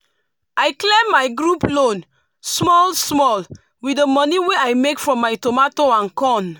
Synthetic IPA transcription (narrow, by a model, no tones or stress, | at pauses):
ajklẽmːajɡɹuplõn | smɔlsmɔl | widəmɔniweajmekfɹɔ̃mːajtomatoãnkɔ̃n